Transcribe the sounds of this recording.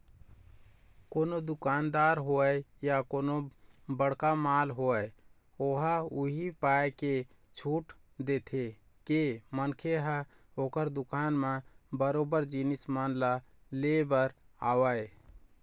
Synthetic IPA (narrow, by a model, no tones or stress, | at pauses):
konod̪ukand̪aɾɦoɛjjakonobəɽkamalɦoəj | oɦəuɦipajke | t͡ʃʰuʈ | d̪et̪ʰe | kemənkʰeɦə | okəɾd̪ukanmebəɾobəɾd͡ʒinismənla | lebəɾ | awəj